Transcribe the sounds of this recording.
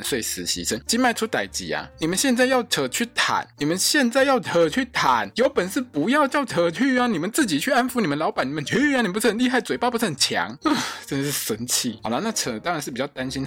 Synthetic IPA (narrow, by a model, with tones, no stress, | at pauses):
nswe˥˩ɪsɹ̩˧˥ɕḭ˧˥ʂə˧˦nt͡ɕi˥nma˥˧ɪʈ͡ʂʰu˥t̪a˨˩ɪt͡ɕḭ˨˩˦a̰˧ni˨˩mə˦nɕjɛ˥˧nt͡sa˥˧ɪjɑ˥˩ʊʈ͡ʂʰə˨˩t͡ɕʰy˥˩t̪ʰa̰˨˩˦nni˨˩mə˨˦nɕjɛ˥˧nt͡sa˥˧ɪjɑ˥˩ʊtʰə˨˩t͡ɕʰy˥˩t̪ʰa˨˩˦njo˧˥ʊpə˨nʂɻ̩˥˩pu˧˥jɑ˥˧ʊt͡ɕjɑ˥˩ʊtʰɤ˧˥t͡ɕʰy˥˩a˥˩ni˨˩mə˨˦nt͡sɹ̩˥˩t͡ɕi˨˩t͡ɕʰy˥˩a˦˥nfu˧˦ni˨˩mə˦nlɑ˧˥ʊpa˨˦ni˨˩mə˧˦nt͡ɕʰɛ˧˥˩ni˨˩m˨pu˧t͡sʰɤ˥˩ə˧nli˥˧ɦa˥˩ɪt͡swe˨˩ppu˧˥t͡sʰɤ˥˩ə˨˩nt͡ɕʰjɑ̰˧˥ŋ˨ʈ͡ʂə˥nd̪ə˨ʂ̩˥˩ʂə˧˥nt͡ɕʰḭ˥˩hna˥˧na˥˩t͡sʰə˧˩˨t̪ɑ˥ŋɻa˨˧nʂɻ̩˥˩pi˨˩t͡ɕjɑ˥˩ʊt̪a˦˥nɕi˥n